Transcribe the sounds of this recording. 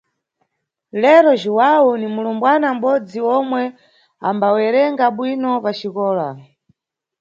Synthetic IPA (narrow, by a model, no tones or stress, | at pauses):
lɛɾɔʒiwaunimulumbwanam̩ɓɔd͡ziɔmwɛ | ambawɛɾɛŋɡaɓwinɔpat͡ʃikɔːla